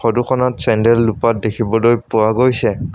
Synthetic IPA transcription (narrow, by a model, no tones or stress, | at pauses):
xɔduxɔnatsɛndɛlːupat̚dekʰibɔlojpʊwaɡojsɛ